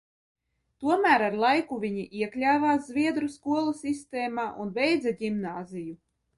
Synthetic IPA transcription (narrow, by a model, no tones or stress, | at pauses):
t̪uɔmæːɾaɾlˠajkuvʲiɲiʔiɛklʲaːvaːszvʲiɛd̪ɾuskuɔlˠusist̪ɛːmaːʔunvɛjd̪zaɟʲimnaːziju